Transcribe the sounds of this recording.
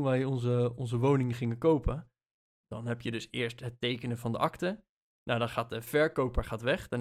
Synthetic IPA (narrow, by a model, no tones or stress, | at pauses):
nʋɛjɔnzəɔnzəʋownɪŋəχɪŋəkowpə | d̥ɑnɦɛpjədɵsɪːɹstɦətejkənəvɑndəʔɑktə | nawdɑnχaːt̚dəv̥ɛɹkowpəɹχaːtʋɛχdn